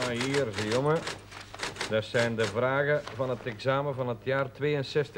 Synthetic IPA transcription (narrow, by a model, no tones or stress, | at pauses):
iːrzəjomə | dəsɛjndəvraːɣəvɑnətɛɡzaːməvɑnɦətjaːrtʋeːənsɛstə